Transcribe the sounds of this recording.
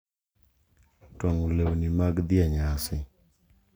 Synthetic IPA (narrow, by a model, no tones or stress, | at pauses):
twaŋolewnimaɡd̪ɪɛɲasɪ